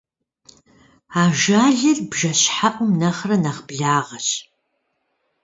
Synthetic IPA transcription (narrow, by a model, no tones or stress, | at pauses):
aːʒaːɮɐɮbʒɐɕħapʼʊmnɐχrɐnaχbɮaːʁɐɕ